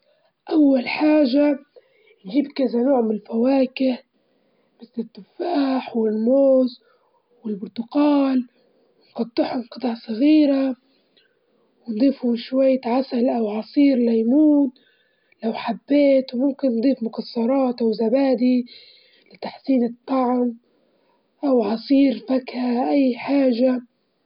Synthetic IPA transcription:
ʔawːalħaːʒa | nʒiːbkazanoːʕmɪnɪlfawaːkɪh | mɪθlɪt̪ːʊfaːħwɪlmoːz | wɪlbʊɾt̪ʊqɑːl | wɪnqɑt̪ˤːɪħʊmqɨt̪ˤɑʕsˤɑɣiːɾa | wɪnd̪ˤiːfhʊmʃwajːt̪ʕasalʔawʕɑsˤiːɾlajmuːn | lawħabːeːt̪wmʊmkɪnːd̪ˤiːfmʊkɑsˤːɑɾˤɑːt̪ʔawzabaːd̪i | lɪt̪aħsiːnɨt̪ˤːɑʕm | ʔawʕɑsˤiːɾfakhaʔajːħaːʒa

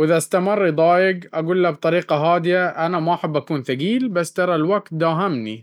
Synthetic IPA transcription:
wʔɪðaʔst̪amɪrˤːid̪ˤɑːjɪɡʔaɡuːlːab̚t̪ˤɑɾiːqɑɦaːd̪ɪjaʔanamaʔaħɪbːʔakuːnθaɡiːlbasːt̪ɑɾˤɑlwaɡt̪̚d̪aːɦamni

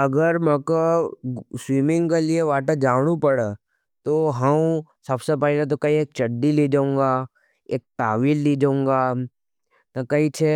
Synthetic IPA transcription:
ɐɡəɾmɛ̃ko | swiːmɪ̃ŋɡkelieʋaːʈəd͡ʒaːɽ̃upɐɽe | t̪oɦɐmsɐbsepɛɦlet̪̬okɐieːk̚t͡ʃɐɖːiliːd͡ʒaːũːŋɡa | eːk̚t̪aːʋiːlːiːd͡ʒaːũːŋɡaː | nɐkɐit͡ʃʰe

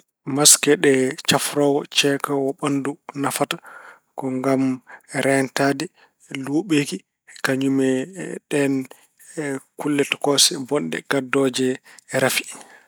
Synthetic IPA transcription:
maskɛɗɛt͡ʃafɾɔwɔt͡ʃɛkawɔɓandunafata | kɔŋɡamɾɛntadi | luːɓeki | kaɲumɛɗɛn | kulːɛtɔ̥kɔsɛbɔndɛ̰ɡ̥adːɔd͡ʒɛːɾafi̥

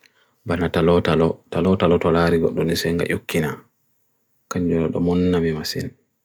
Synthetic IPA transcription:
banatalɔtalɔtalɔtalɔtɔlaːɾiɡɔ̰ɗːɔmnisɛŋɡa̰ʔukʰːina | kaɲd͡ʒɔlɔ̰ɗɔ̰mɔnːabimasḭn

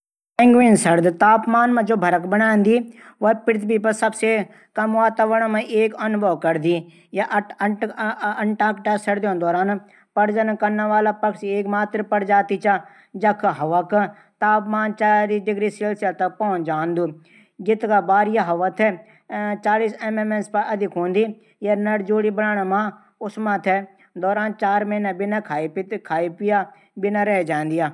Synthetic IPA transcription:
ɪ̃ŋɡʋiːnsɐɾd̪t̪aːpmaːnmãd͡ʒoːbʱɐɾəkbɐnãːnd̪iː | ʋɐpɪɾt̪ʰbipɐsɐbse | kɐmʋaːt̪aːʋəɽ̃mɐ̃ʔeːkɐnʊbʱɐʋkɐɾd̪iː | jaʔ | ɐɳʈaːkʈasɐɾd̪jõd̪ɔːɾaːn | pɐɽd͡ʒɐnkɐɾnaʋaːlapɐkseːkmaːt̪ɾpɐɽd͡ʒaːt̪it͡ʃa | d͡ʒɐkʰɦɐʋak | t̪aːpmaːnt͡ʃaːɾiːsɖɪɡɾiːseːlsjat̪ɐk̚pɔːʊ̃nd͡ʒaːnd̪uː | ɡɪt̪kabaːɾjaɦɐʋat̪ʰɛ | t͡ʃaːliːseːmemẽnspɐʔɐd̪ɪkɦõːnd̪i | jɐɾnɐɾd͡ʒoːɽibəɽaːnamãː | ʊsmãt̪ʰɛ | d̪ɔːɾaːnt͡ʃaːɾmɐnabɪnakʰaːip̪kʰaːipɪja | bɪnaɾɛɦd͡ʒãːnd̪ɪjaː

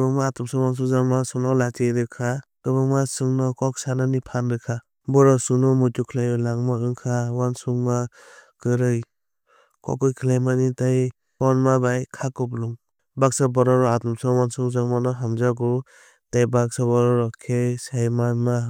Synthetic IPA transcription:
bɯŋmaatɔmsɔwans̬uzaŋmasuŋnɔlatiɾɯkʰakɯbɯŋmasɯŋnɔkɔksananipʰandɯkʰa | bɔɾɔsunɔmutukʰilajɯlaŋmaɯŋkʰawansuŋma | kɯɾɯj | kɔ̰kɯjkʰilajmanitaj | ɔnmabajkʰakɔpluŋ | bak̚sabɔɾɔɾɔatɔmsɔwansuzaŋmanɔɦamd͡ʒaɡɔ | tajbak̚sɔbɔɾɔɾɔkʰesajmanma

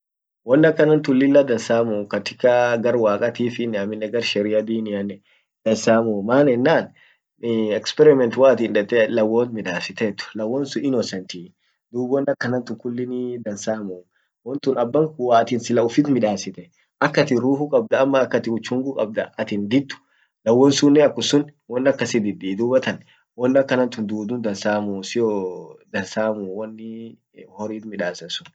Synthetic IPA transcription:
wɔnːɐkːɐnɐnt̪ʊlːɪlːɐd̪ɐnsaːmukɐt̪ɪkːaɡɐɾwaːkʼɐt̪iːfɪnːɛɐmɪnːɛɡɐɾʃɛɾɪɐd̪iːnɪjɐnɛ | d̪̥ɐnsaːmumaːnɛnːaːn | ɛkspɛɾɪmɛnt̪waːt̪inᶑɛt̪ːɛlɐwoːnmɪᶑaːsɪt̪ɛt̪ːʊ̥lɐwːɔːnsʊɪnɔsɛnt̪iː | d̪uːbwɔnːɐkːɐnɐnt̪ʊkːʊlːɪnɪd̪ɐnsaːmu | wɔnt̪ʊnɐbːɐŋkʊwaɐt̪ɪnsɪlɐʊfɪt̪mɪᶑaːsɪt̪ɛ | ʔɐkːɐt̪ɪɾuːhʊkʼɐb̚d̪ɐːmːɐːkːɐt̪ɪʊt͡ʃːʊŋɡʊkʼɐb̚d̪ɐɐt̪ɪnd̪ɪt̪ːʊ̥ | lɐwːɔnsunːɛɐkːʊsʊnwɔnːɐkːɐsɪd̪ɪd̪iːd̪uːbɐt̪ɐn | wɔnːɐkːɐnɐnt̪ʊnd̪uːd̪ʊnd̪ɐnsaːmusɪjod̪ɐnsaːmuːwɔnːɪ | hɔɾiːt̪mɪᶑaːsɐsʊ̥n

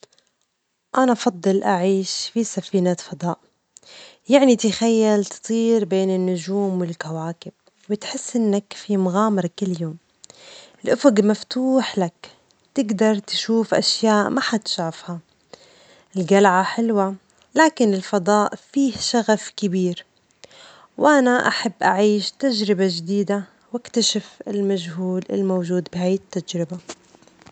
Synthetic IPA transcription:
ʔanaʔɑfɑd̪ˤːɨlʔaʕiːʃfisafiːnaːt̪fɑd̪ˤɑːʔ | jaʕnit̪axajːalt̪ɨ̥t̪ˤiːɾbeːnɪnːʊd͡ʒuːmwɪlkawaːkɪb̥̚ | wɪt̪ħɪsːʔɪnːakfimʊɣaːmɑɾˤkɪlːjoːm | ʔɪlʔʊfʊɡmaft̪uːħlak | t̪ɪɡd̪ɑɾˤt̪ʃuːfʔaʃjaːʔmaħat̪ɪ̥ʃʕafha | ʔɪlɡalʕaħɪlwa | laːkɪnɪlfɑd̪ˤɑːʔfiːhʃaɣafkɪbiːɾ | wʔanaʔaħabːʔaʕiːʃt̪aʒɾɪbaʒd̪iːd̪a | wakt̪aʃɪfɪ̰lmad͡ʒɦuːlɪ̰lmowʒuːd̪bɪhaːjɪt̪ːad͡ʒɾɪba

